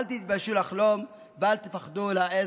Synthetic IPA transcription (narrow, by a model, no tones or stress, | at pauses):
lt̪it̪̚baʃulaχlom | balt̪efaχd̪ulae